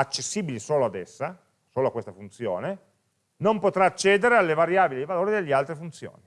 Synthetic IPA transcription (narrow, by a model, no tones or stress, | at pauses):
at͡ʃːesːiːbilisoːload̪ɛsːa | soːloakwest̪afunt̪sjo̰ːne | nompot̪ɾaːt͡ʃːɛːd̪eɾealːevaɾjaːbilid̪ivaloːɾid̪elːealt̪ɾefunt̪sjo̰ːni